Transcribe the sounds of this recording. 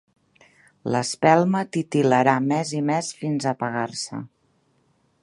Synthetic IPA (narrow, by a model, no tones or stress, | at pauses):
lə̰spɛlˠmət̪it̪iləɾamɛzimɛsfinzəpəɣarsə̰